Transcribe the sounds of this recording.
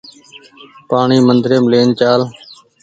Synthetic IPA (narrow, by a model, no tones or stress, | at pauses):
paːɳiːmənd̪ɾeːmleːnt͡ʃaːl